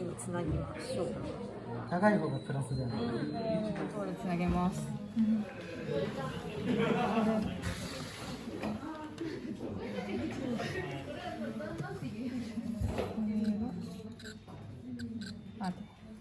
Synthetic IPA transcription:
iɲit͡sɨnaɡemaɕo | t̪akaimonopɯ̟ɾasɨd̪en | ot̪at̪oːɾet͡sɨnaɡe̞masɨ̥ | at̪

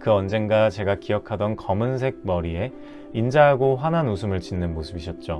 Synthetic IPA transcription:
kɯʌnd͡ʑenɡat͡ɕe̞ɡakijʌkʰadʌnkʌmɯns̬ʰe̞ɡ̚mʌɾie̞ | ind͡ʑaɦaɡoɸwananosʰɯmɯɭt͡ɕinːɯnmosʰɯbiɕʰʌt̚t͡ɕ͈o

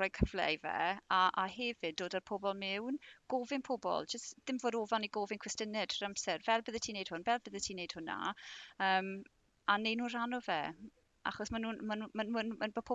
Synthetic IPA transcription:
ɔjkʰəvlɛ̰jvɛ̰aʔahɛvɪdoːdarpʰɔbɔlˠmɪwnɡ̥ovɪnpʰɔbɔ̰lˠd͡ʒəstð̥ɪmvoːdɔvɔniɡoːvɪnkʰwɪstənɪd̥ramsɛrvɛlˠbəðətʰiːnejd̥hʊnvɛlˠbəðətʰiːnejd̥hʊna̰əːm | anejnuːnr̥anɔvɛ | a̰χɔsmanuːnmanmanunmanbəpʰo

